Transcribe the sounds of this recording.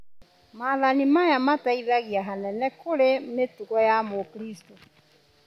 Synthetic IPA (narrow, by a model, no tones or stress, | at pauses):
maːðanimajamataiðaɣiaɦanɛnɛkoɾemetuɣɔjamokɾisto